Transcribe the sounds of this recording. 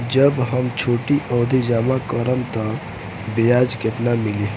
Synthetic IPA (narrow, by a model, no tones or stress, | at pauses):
d͡ʒəbɦəmt͡ʃʰoʈiʔɔd̪ʱid͡ʒamakəɾəmt̪ɔ | bejad͡ʒket̪namili